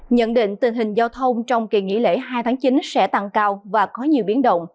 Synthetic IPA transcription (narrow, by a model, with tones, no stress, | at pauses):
ɲə̰˧˥nɗḭ̈˧˨ŋ̟t̪ɨ˨˩ŋɦï˨˩ŋ̟zaː˧wt̪ʰə˧wŋ͡mt͡ɕɔ˧wŋ͡mki˨˩ŋḭ˧˥lḛ˧˥ɦaː˧jt̪ʰaː˨˦ŋt͡ɕi˨˦nsɛ̰˧˥t̪a˧ŋkaː˧wvaː˨˩kɔ˨˦ɲi˨˩əwɓi˨˦ənɗə̰˧˨wŋ͡m